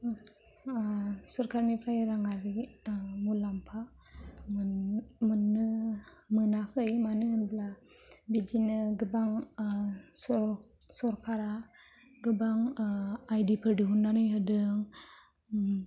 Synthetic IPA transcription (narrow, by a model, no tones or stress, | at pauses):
sɔɾkaɾnipʰɾajəɾaŋaɾimulampʰa | mənəmənakɯjmanɯənbəla | bid͡ʒinəɡəbaŋ | ɔ | sɔɾkʰaɾa | ɡəbaŋajdipʰəɾdiɦunːanɯjɦədɯŋ